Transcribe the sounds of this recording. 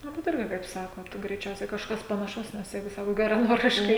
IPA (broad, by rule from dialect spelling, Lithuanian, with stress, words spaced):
ˈnʊ bʲɛt ˈɪrʲɡʲɪ kɐɪp ˈsɑːkoːt ɡrʲɛɪˈt͡ʃʲɛʊsʲɛɪ kɐʃˈkɐs pɐnɐˈʃɐʊs nʲɛs ˈjɛɪɡʊ ˈsɑːkoːt ɡʲɛrɐˈnoːrʲɪʃkɐɪ